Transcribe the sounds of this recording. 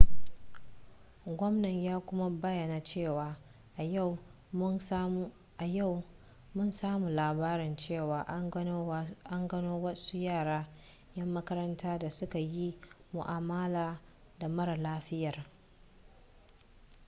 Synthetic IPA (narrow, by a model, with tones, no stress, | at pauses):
ɡʷɔ˦mnɐ˨ɲjaː˦kʷʊ˦ma˦bɐ˦jɐ˨naː˨t͡ʃeː˦˨waː˨ | ʔa˨ja˦˨w | ʔa˨ja˦˨w | mʊ˦˨nsaː˦muː˨laː˨baː˦ɾɪ˨nt͡ʃeː˦˨waː˨˦ | ʔa˦ŋɡɐ˦noː˦wɐ˦su˦jaː˦˨ɽaː˦ | jɐ˦mːɐ˦kɐ˦ɾɐ˦ntʰaː˦da˨sʊ˦ka˨ji˦mʊ̰˨ʔaː˨ma˦laː˨ | da˨mɐ˦ɾa˨laː˦ɸɪ˦jɐ˨r